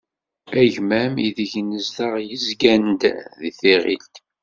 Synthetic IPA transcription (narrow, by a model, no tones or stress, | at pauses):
æʝmæmiðəʝnəzðəʁjəzɡænd̪ðiθeʁḭlt̪